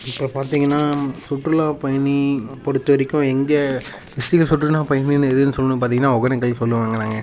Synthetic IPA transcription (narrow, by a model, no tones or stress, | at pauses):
ɪpːoːpaːɾt̪iːŋɡɐnːaːsʊʈɾɯlãːpɐjɐnipɔɽɯt̪ːɯʋɐɾɪkːʊ̃ɛŋɡɐ | ʋɪstɪɣɐsʊʈrɯlãːpɐjɐninːɯɛðɯnːɯsɔlːɐnɯpaːt̪iːŋɡɐnːaːɔɣɐnɐkːɐɭsɔlːɯʋaːŋɡɐnãːŋɡɐ